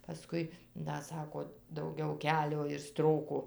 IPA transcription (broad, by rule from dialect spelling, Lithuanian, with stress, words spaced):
pɐˈskʊɪ ˈdɐ ˈsɑːkoː dɐʊˈɡʲɛʊ ˈkʲæːlʲoː ɪr ˈstroːkoː